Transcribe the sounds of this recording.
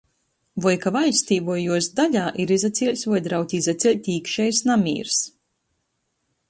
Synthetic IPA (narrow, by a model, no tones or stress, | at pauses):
vɔjkavalʲst̪ʲiːvuɔjuɔsd̪aʎʲaːʔiɾizat̪sʲiːlʲsʲvɔjd̪ɾawt̪ʲizɛt̪sʲɛlʲt̪ʲiːkʃɛjsnamʲḭːɾs